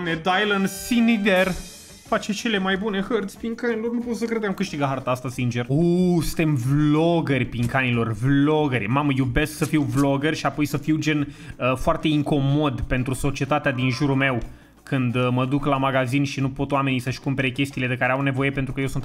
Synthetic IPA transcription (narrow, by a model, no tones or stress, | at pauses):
mned̪ajlənsinid̪er | fat͡ʃe̞t͡ʃe̞le̞majbune̞hərt̪sʲpiŋkanilo̞rnupot̪səkɾed̪eamkɨʃt̪iɡaɦart̪aast̪asint͡ʃe̞rosɨnt̪e̞mvloɡərʲpiŋkanilo̞rvlo̞ɡəɾʲmaməjube̞sksəfiwvlo̞ɡərʲʃiapo̞jsəfiwd͡ʒe̞n | əfoart̪e̞iŋko̞mo̞d̪pe̞nt̪ɾuso̞t͡ʃie̞t̪at̪ead̪inʒuɾulme̞w | kɨnd̪məd̪uklamaɡazinʃinupo̞t̪owame̞nisəʃkumpe̞ɾekʲe̞st̪ile̞d̪ekaɾeawne̞vo̞je̞pent̪ɾukəjewsunt̪